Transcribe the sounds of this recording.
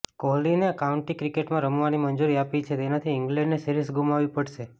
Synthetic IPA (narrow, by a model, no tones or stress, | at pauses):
koɦlineəkauɳʈikɾikeʈmãɾəmʋanimənd͡ʒuɾiapit͡ʃʰet̪enat̪ʰiɪŋɡlɛ̃ɳɖnesiɾisɡumaʋipəɽʃe